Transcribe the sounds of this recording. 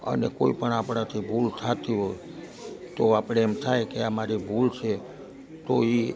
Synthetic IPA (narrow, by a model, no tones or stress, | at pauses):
ə̰neko̰ipəɳapɽ̃at̪ʰibʱult̪ʰat̪iɦoj | t̪oapɽ̃eɛmt̪ʰajkeamaɾibʱult͡ʃʰe | t̪oi